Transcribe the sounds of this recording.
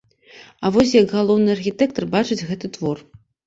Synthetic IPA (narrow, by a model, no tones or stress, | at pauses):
avɔs̬ʲjɐɡɣalˠɔwnɨɐrxʲit̪ɛk̚t̪ɐrbat͡ʂɨt͡sʲɣɛt̪ɨt̪vɔr